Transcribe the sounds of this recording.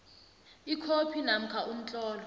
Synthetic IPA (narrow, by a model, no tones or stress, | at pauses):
ikʰopʰinam̩kʰaʔum̩t͡ɬʼɔːlɔ